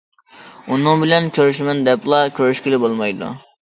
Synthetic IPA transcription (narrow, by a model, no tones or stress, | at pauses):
unɨŋbɪlɛnkʲʰøɾyʃmɛnd̪ɛplˠɑkʲʰøɾyʃkʲilɪbolˠmɑjd̪ṵ